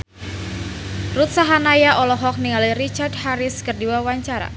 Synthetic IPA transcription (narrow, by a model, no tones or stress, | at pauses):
rut̪̚saɦanajaʔɔlɔɦɔk̚niŋaliɾit͡ʃardhaɾɪskərdiwawaɲt͡ʃaɾa̰